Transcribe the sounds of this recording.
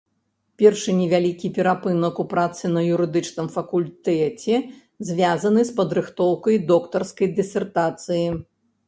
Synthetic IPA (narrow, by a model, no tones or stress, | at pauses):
pʲɛrʂɨnʲɛvʲalʲikʲipʲɛɾapɨnɐkupɾat̪sɨnɐjuɾɨd̪ɨt͡ʂnɨmfɐkulʲt̪ɛt͡sʲɛ | zʲvʲazɐnɨspɐd̪ɾɨxt̪ɔwkɐjd̪ɔkt̪ɐrskɐjd̪ɨsʲɛrt̪at̪sɨji